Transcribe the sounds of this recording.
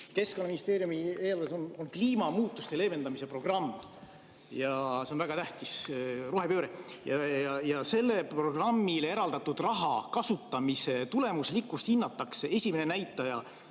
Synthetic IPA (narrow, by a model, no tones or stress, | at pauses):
ke̞skonɑminist̪e̞ːɾjumieːlvesononkliːmɑmuːt̪ːˑust̪ele̞ːme̞nd̪ɑmise̞pro̞ɡ̥rɑmː | jɑseo̞nvæɡ̥ɑt̪æht̪isruɦe̞pøːɾejɑjɑjɑse̞lːe̞pro̞ɡ̥rɑmːilee̞ɾɑld̪ɑt̪ːud̪̥rɑɦɑ̰kɑsut̪ːˑɑmise̞t̪ule̞muslikːˑust̪hinːɑt̪ːˑɑksee̞sʲimenenæjt̪ːˑɑjɑ